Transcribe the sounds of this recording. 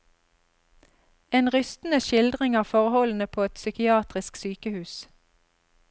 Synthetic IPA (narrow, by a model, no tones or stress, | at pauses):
eːnʁʏst̪n̩əʃɪld̪ʁɪŋɑːʁfɔʁəhɔln̩əpʰoːɛt̪sʏkɪɑːt̪ʁɪsksyːkəhʉːs